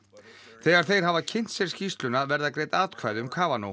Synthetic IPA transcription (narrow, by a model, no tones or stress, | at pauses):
θɛːɣaɾ̥θejɾ̥ɦavacʰɪn̥t̪sɛɾ̥scist̪lʏnaðvɛɾðakɾeːjt̪aːt̪kʰvajðʏʏmkʰaːvano̰